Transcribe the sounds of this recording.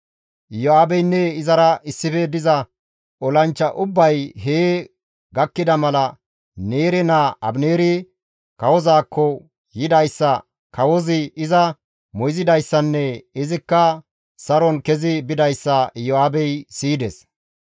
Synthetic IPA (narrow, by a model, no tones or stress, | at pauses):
ʔjɔaːbɛjnːɛɪzɐɾɐʔɪsːɪfɛd̪ɪzɐ | ɔlɐnt͡ʃːɐʔʊbːɐjɦeː | ɡɐkːɪd̪ɐmɐlɐ | neːɾɛnaʔɐ̰bneːɾɪ | kɐwɔzaːkːɔ | jɪd̪ɐjsːɐ | kɐwɔzɪɪzɐ | mɔjzɪd̪ɐjsːɐnːɛɪzɪkːɐ | sɐɾɔnkɛzɪbɪd̪ɐjsːɐʔɪjɔaːbɛjsiːd̪ɛs